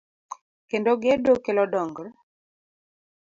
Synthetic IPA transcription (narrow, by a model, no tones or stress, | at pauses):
kendoɡedokelɔdɔŋɡɾ